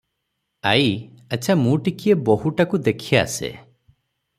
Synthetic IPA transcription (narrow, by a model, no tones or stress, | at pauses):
aj | at͡ʃʰamũʈikʰieboɦuʈakud̪ekʰia̰ːsḛ